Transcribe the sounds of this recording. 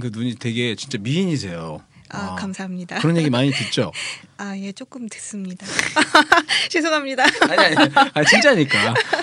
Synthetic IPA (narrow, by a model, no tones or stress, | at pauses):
kɯnuɲitwe̞ɡe̞t͡ɕint͡ɕ͈amiiɲis̬ʰe̞jo | akamsʰaɦamɲidaɯɾʌnɲje̞ɡimaɲitwet̚t͡ɕ͈oaje̞t͡ɕ͈ok͈ɯmtwes͈ɯmɲida | t͡ɕes̬ʰoŋamɲidaaɲiaat͡ɕint͡ɕ͈aːɲik͈aja